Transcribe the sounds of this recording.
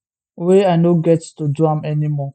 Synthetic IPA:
weaɪnoɡɛttuduãmɛnimɔ

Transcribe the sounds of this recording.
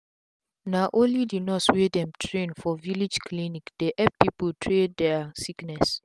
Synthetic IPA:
naʔõnlidinɔtswedɛ̃mtʰɹẽnfɔvilid͡ʒkʰlinikd̥eʔɛp̚pipultʰɹedɛasiknɛs

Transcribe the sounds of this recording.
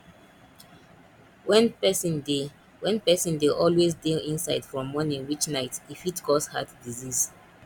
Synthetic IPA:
wɛ̃npɛsĩnde | wɛ̃npɛsĩndeʔɔlwezdeĩnsaɪd̥fɹɔ̃mːɔnĩwit͡ʃnaɪtifitkʰɔsha̰tdiziz

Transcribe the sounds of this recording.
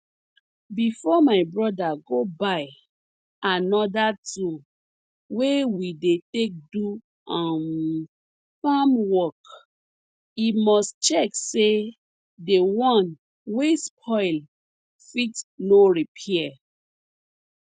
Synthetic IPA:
bifɔmaɪbɹɔdaɡobaj | anɔdatu | wewidetek̚du | ãn | famwɔk | imɔst͡ʃɛkse | dewɔ̃n | wespʰɔɪl | fitnoɹipʰɛɛ

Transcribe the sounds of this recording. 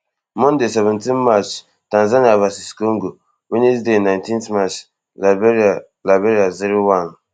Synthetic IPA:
mɔndesɛvɛntinmat͡ʃ | tanzaniavasiskoŋɡo | winisdenantĩntmat͡ʃ | labɛɾa | labɛɾiaziɾowan

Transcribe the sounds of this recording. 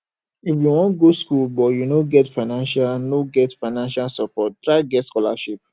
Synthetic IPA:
ifjuwɔ̃nɡoskulbɔjunoɡɛtfaɪnãnʃalanoɡɛtfaɪnãnʃalsɔpɔt̚dɹaɪɡɛtskɔla̰ʃip̚

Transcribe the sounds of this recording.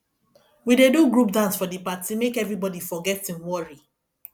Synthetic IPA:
wideduɡɹupdãnsfɔdipatimekɛvɹibɔdifɔɡɛtĩnwɔɹi

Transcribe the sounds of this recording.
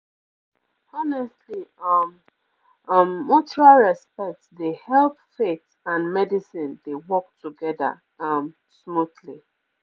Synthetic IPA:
ɔnɛstliʌm | ʌ̃mːɔtɹalɹɛspɛk̚tsdehɛlpfet | ãnmɛdisĩndewɔk̚tuɡɛðə̰ | ʌm | smuθli

